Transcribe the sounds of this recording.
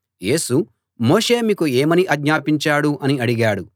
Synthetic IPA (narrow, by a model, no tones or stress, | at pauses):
je̞ːsu | mo̞ːʂe̞ːmiːkueːmɐniʔɐɡɲaːpiɲt͡ʃaːɽuʔɐniɐɽiɡaːɽu